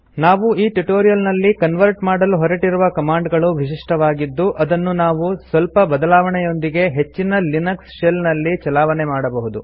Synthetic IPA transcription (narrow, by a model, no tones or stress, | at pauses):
naːʋuiːʈuʈoːɾijɐlnɐlːikɐnʋɐɾʈmaːɽɐluɦɔɾɐʈiɾuʋɐkɐmaːɳɖɡɐɭuʋiʂiʂʈɐʋaːɡid̪ːuʔɐd̪ɐnːunaːʋusʋɐlpɐbɐd̪ɐlaːʋɐɳɛjo̞nd̪iɡe̞ɦe̞t͡ʃːinɐlinɐksʃelnɐlːit͡ʃɐlaːʋɐnemaːɽɐbɐɦud̪u